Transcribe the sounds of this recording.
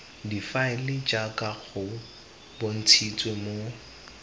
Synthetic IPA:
difaɪlɪd͡ʒʼakʼaɣʰʊ | bon̩t͡sʰit͡sʼwemo

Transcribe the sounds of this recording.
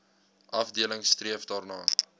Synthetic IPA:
ʔɐfdiələŋstriəfdɑːrnɑː

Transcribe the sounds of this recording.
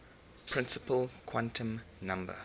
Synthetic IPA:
pʰɹ̥ɪ̃nsəpəlkʰwãntʰə̃mnãmbə̰

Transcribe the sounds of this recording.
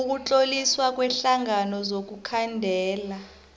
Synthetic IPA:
uk̬ut͡ɬʼoliswak̬ʼwɛɬaŋanɔzok̬ukʰandʱɛːla

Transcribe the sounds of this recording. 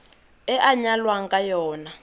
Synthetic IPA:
ɛʔaɲalwaŋkajɔːna

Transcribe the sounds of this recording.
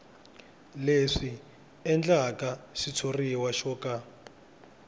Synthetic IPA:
leʂi | ɛnd͡ɮakaʃit͡sʰoriwaʃɔːka

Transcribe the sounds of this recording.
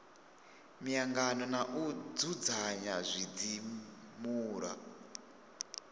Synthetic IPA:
mijaŋɡanɔnaʔud͡zud͡zaɲazʷid͡zimuːɾa̰

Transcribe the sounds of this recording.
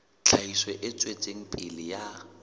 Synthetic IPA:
t͡ɬʰaiswɛʔɪt͡sʼwet͡sʼeŋ̩pʼɪlɪja

